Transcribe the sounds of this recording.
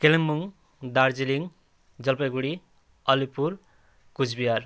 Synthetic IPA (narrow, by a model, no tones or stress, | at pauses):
kelʌmːuŋ | d̪aɾd͡ziliŋ | d͡zʌlpʌjɡuɽi | ʌlipuɾ | kud͡zbijar